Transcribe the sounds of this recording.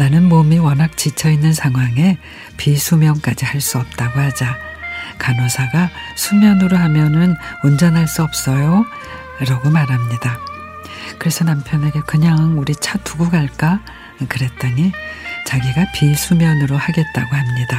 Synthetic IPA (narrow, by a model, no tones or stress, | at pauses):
nanɯnmomiwʌnɦak̚t͡ɕit͡ɕʰʌinːɯnsʰaŋɦwaŋe̞ | pisʰumjʌŋk͈ad͡ʑihaɭs͈uʌp̚t͈aɡohad͡ʑakanosʰaɡasʰumjʌnɯɾoɦamjʌnɯnund͡ʑʌnɦaɭs͈uʌp̚s͈ʌjo | ɾaɡomaɾɦamɲida | kɯɾe̞sʰʌnampʰjʌnɦaɡekɯɲaŋuɾit͡ɕʰatuɡuɡaɭk͈a | kɯɾe̞t̚t͈anit͡ɕaɡiɡapisʰumjʌnɯɾohaɡe̞t̚t͈aɡohamɲida